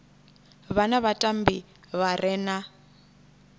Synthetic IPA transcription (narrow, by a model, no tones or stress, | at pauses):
βanaβatʼambi | βarʔɛna